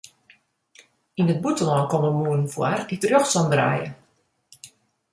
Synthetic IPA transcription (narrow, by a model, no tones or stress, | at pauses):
inət̚butəlɔnkɔməmuənn̩fwa̰ritərjoxsɔndra̰ːjə̰